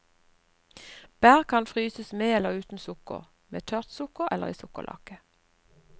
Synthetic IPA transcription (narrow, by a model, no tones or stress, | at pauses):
b̥æːʁkʰɑnfʁyːsəsmeːɛləʁʉːt̪n̩sʊkʊ̰ʁ | meːt̪ʰœʁt̪sʊkʊʁʔɛləʁiːsʊkəlʔɑ̰kə